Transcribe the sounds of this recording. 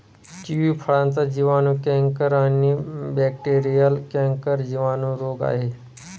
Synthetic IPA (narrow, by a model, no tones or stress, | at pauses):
ʈiʋiːpʰəɭãnt͡sad͡ʑiʋaːnũkɛ̃ːŋkəɾanibɛːkʈeːɾijəlkɛ̃ːŋkəɾd͡ʑiʋaːnũɾoːɡa̰ːɦeː